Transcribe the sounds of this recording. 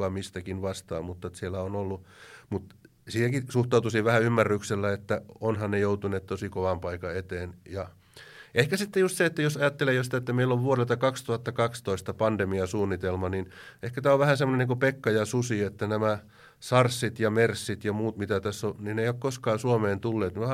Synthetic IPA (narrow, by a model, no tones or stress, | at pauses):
ɑmist̪ækinʋɑst̪ɑ̰ːmmut̪ːɑt̪sielæonolːumut̪ | siːhækisuht̪ɑut̪usiʋʋæhæymːærːykselːæet̪ːæonhɑnnejout̪uneːt̪t̪osikoʋɑmpɑikɑet̪eːnjɑ | ehkæsit̪ːejust̪seet̪ːæjosɑjɑt̪ːelejosi̥t̪æet̪ːæmeilːoʋʋuorelt̪ɑkɑkst̪uhɑt̪ːɑkɑkst̪oist̪ɑpɑnd̪emiɑsuːnːit̪elmɑninehkæt̪æːoʋʋæhæsemːˑoneniːŋkopekːɑjɑsusiet̪ːænæmæ | sɑrsːit̪jɑmersːit̪jɑmuːt̪mit̪æt̪æsːonineijokkoskɑːsuomeːnt̪ulːeːt̪niæ